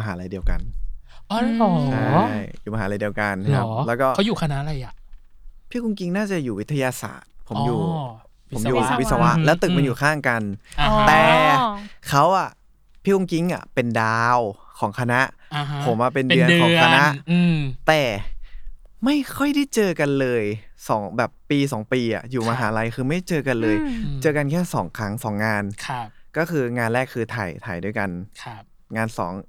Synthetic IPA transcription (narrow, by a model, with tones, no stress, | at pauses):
ma˧ɦaː˩˦˧la˧jdi˧əwka̰˧n˧ | ɔ˨˧a˥jjuː˨˩a˧ɦaː˩˦˧la˧jdi˧ə˧wka˧n˦kʰa˦lɛː˦˥wkɔː˥˩a˦wjuː˨˩kʰa˧na˦˥ʔɾa˧jʔa˨˩pʰiː˥˩ku˧ŋki˦˥ŋnaː˥˩t͡ɕa˨˩juː˨˩wt̪ʰːa˧jaː˧sa̰ː˨˩t̪̚pʰo˩˦juː˨˩ | po˩˦mjuː˨˩˧wi˦˥sa˧wa˦˥ʔlɛː˦˥wt̪ɯ˨˩k̚ma˧njuː˨˩kʰaː˥˩ŋka˧nt̪ɛː˨˩ | kʰa˦˥wʔa˨˩ | pʰiː˥˩ku˧ŋki˦˥ŋʔa̰˨˩pe˧ndaː˧wkʰɔː˩˦ŋkʰa˧na˦˥ʔpʰo˩˦mʔa˧pe˧ndɯ˧əkɔː˦kʰa˧na˦˥ʔt̪ɛː˨˩ | ma˥˩jkʰɔ˥˩jda˥˩jt͡ɕɤː˧ka˧nlɤː˧jsɔː˩˦ŋbɛː˨˩pːiː˧sɔː˩˦ŋpiː˧ʔa̰˨˩juː˨˩maː˧ɦaː˩˦ɾa˧jkʰɯː˧ma˥˩jt͡ɕɤː˧ka˧nlɤː˧jt͡ɕɤː˧ka˧nkʰɛː˥˩sɔː˩˦ŋkʰɾa˦˥ŋsɔː˩˦ŋːaː˧nʰ˧kɔː˥˩kɯː˧ŋaː˧nɾɛː˥˩kʰːɯː˧t̪ʰa̰˨˩jt̪ʰa̰ː˨˩jduː˧˩əjka˧nʰ | ŋaː˧nsɔ̰ː˩˦ŋ